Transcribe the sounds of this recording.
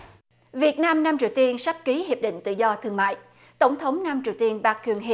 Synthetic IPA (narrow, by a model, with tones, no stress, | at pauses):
vi˨˩ət̚naː˧mnaː˧mt͡ɕi˨˩əwt̪i˧ənsa˦˥k̚ki˨˦ɦi˨˩əp̚ɗḭ̈˧˨ŋ̟t̪ɨ̰˧˨zɔ˧t̪ʰɨ˧əŋma̰ː˧˨j | t̪ə˧˩wŋ͡mt̪ʰə˨˦wŋ͡mnaː˧mt͡ɕi˨˩əwt̪i˧ənɓaː˨˧˩k̚kwi˧˩ənɦḭ˧˨